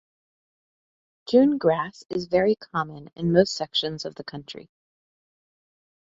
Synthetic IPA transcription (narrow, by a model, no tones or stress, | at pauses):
kʰjʉ̃nɡɹæsɪzvɛɹikʰɑmɨ̃nɨ̰̃nmoʊstsɛkʃɨ̃nzʌvðɨkʰʌ̃nt͡ʃɹ̥ḭ